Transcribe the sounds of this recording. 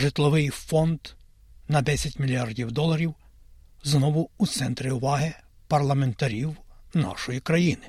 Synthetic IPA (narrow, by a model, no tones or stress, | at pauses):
ʒɪt̪lˠɔʋɪjfɔnd̪ | nɐd̪ɛsʲɐtʲmʲilʲijardʲiwd̪ɔlˠɐɾʲiw | znɔʋʊut̪sɛnt̪ɾɪʊʋɑɦɪ | pɐrlˠɐment̪ɐɾʲiwnɑ̰ʃɔjikɾɐjinɪ